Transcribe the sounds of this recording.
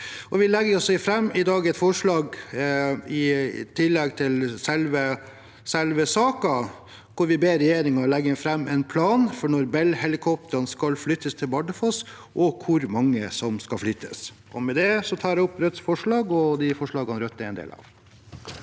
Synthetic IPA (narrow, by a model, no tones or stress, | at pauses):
ʔɔʋɪlɛɡːəɾɔsɪfɾɛmːɪd̪ɑːɡɛt̪fɔʂɭɑːɡ | ɪt̪ʰɪlːɛɡt̪ʰɪlsɛlʋə | sɛlʋəsɑːkɑ | kʊɾʋɪbeːɾɛjeːɾɪŋɑlɛɡːəfɾɛmːɛnpʰlɑːnfɔɳɔɾbɛlhɛlɪkʰɔp̚t̪əɾɑnskɑlflʏt̪ːəst̪ʰɪlbɑɖəfɔs | ʔɔkʰʊɾmɑŋːə̰sɔmskɑflʏt̪ʰːəs | ɔmɛd̪ɛsɔt̪ʰɑːɾɛɔpːɾœt̪sfɔʂɭɑːɡɔd̪ɪfɔʂɭɑːɡɑnɾœt̪ːɛɛnd̪ḛːlɑ̰ʋ